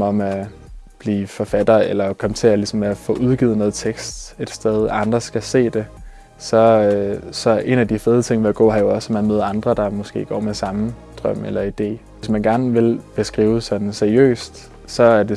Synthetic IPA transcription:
ɒ̽mæ | b̥liːfɒ̽fæd̥ɐelɐkʰɒ̽mt͡sʰe̝ælisɒ̽mːeæfɔ̰̽ːʔuð̞ˠɡ̥ið̞ˠnɔ̽ːð̩ˠt͡sʰeɡ̥sd̥e̝d̥sd̥eð̞ˠɑ̈nd̥ʁɐsɡ̥æse̝̰ːd̥e̝ | sɒ̽ | sɒ̽ɐʔe̝næd̥ifeːð̞ˠt͡sʰe̝ŋ̰ʋe̝æɡ̥ɔ̰̽ːɦɑ̈jo̝ɒ̽smænmøːðˠɐɑ̈nd̥ʁɐd̥ɑ̈mɒ̽sɡ̥e̝̰ːɡ̥ɒ̰ːmesɑ̈md̥ʁɶm̰elɐid̥e̝̰ː | esmænɡ̥æɐnʋe̝lb̥e̝sɡ̥ʁiːʊsɒ̽d̥n̩seɐiø̰ːsd̥ | sɒ̽æɐd̥e̝

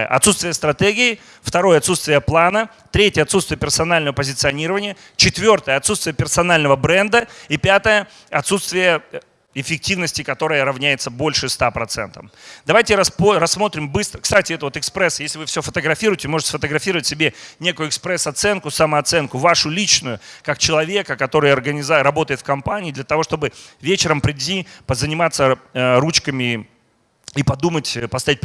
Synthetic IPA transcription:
ə̰ʔɐ̰t̪sut̪st̪vʲɪjəst̪ɾɐt̪eɡʲɪɪ | ft̪ɐɾo̞jəɐt̪sut̪st̪vʲɪjəplˠanə | t̪ɾʲetʲjəɐt̪sut̪st̪vʲɪjəpʲɪrsɐnalʲnəvəpəzʲɪt̪sɨɐnʲiɾəvənʲɪjə | t͡ɕɪt̪vʲo̞rt̪əjəɐt̪sut̪st̪vʲɪjəpʲɪrsɐnalʲnəvəbɾɛnd̪əipʲat̪əjə | ɐt̪sut̪st̪vʲɪjə | ɪfʲɪk̚tʲivnəsʲtʲɪkɐt̪o̞ɾəjəɾɐvnʲæjɪt̪səbo̞lʲʂɨst̪apɾɐt̪sɛ̰nt̪əmd̪ɐvajtʲɪɾɐspɾɐsːmo̞t̪ɾʲɪmbɨst̪ɾəkst̪atʲɪɛt̪əvot̪ɨkspɾɛsjesʲlʲɪvɨfsʲofət̪əɡɾɐfʲiɾʊjɪtʲɪmo̞ʐɨtʲɪ̥sfət̪əɡɾɐfʲiɾəvətʲsʲɪbʲenʲekʊjʊɪkspɾɛsɐt̪sɛnkʊsɐməɐt̪sɛnkʊvaʂʊlʲit͡ɕnʊjʊkak̚t͡ɕɪlˠɐvʲe̞kəkɐt̪o̞ɾɨjɐrɡənʲɪzaɾɐbo̞t̪əjɪt̪fkɐmpanʲɪːd̪lʲɐt̪ɐvo̞ʂt̪o̞bɨvʲet͡ɕɪɾəmpɾʲɪdʲipəzənʲɪmat̪sːəɾut͡ɕkəmʲɪ | ipɐd̪umətʲpɐst̪avʲit̚ʲp

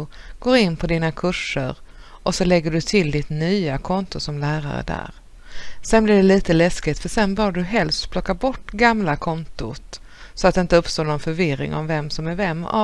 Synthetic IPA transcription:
ɡ̥oːɾɪnːpʰɔd̪iːnakʰɵʂə̰ɾʔɔsɔlɛɡːəɖɵt̪ʰɪld̪ɪt̪nyːakʰɔnt̪ʊsɔmlæːɾa̰ɾə̰d̪æ̰ːɾ | sɛnblɪɖɛliːt̪əlɛskɪt̪fœʂɛnbœːɖɵɦɛlst̪pʰlɔkːabɔʈːɡamlakʰɔnt̪ʊt̪ | sɔat̪d̪ɪnt̪əɵpst̪oːnɔnfœɾvɪɾɪ̰ŋɔ̰mvɛmsɔmæɾvɛmːa̰

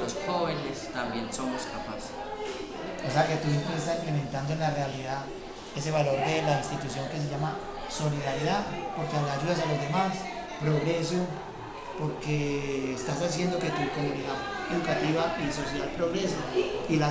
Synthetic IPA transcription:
losxoβenest̪ambje̞nsomoskapase̥ | ose̞ake̞t̪us̬jempɾesest̪asiŋklemẽnt̪and̪oenlarealiða | e̞s̬e̞βalo̞ɾd̪e̞lainst̪it̪usjo̞ŋke̞s̬eʝama | so̞liðaɾjiðapo̞ɾkead̪aʝuðas̬alo̞zd̪e̞mas | pɾo̞ɣɾe̞s̬o | po̞ɾkeːst̪asas̬je̞nd̪o̞ke̞t̪uk̪omoɾiða | eðukat̪iβaiso̞s̬jalpɾoɣɾe̞siβaila

